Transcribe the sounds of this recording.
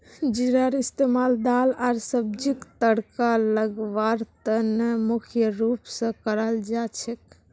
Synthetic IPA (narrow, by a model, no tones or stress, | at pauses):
d͡ʒiɾəɾist̪emald̪alaɾsəb̚d͡ʒikt̪əɽkaləɡʋaɾt̪ənemukʰjəɾupsə̃kəɾəld͡ʒat͡ʃʰɛk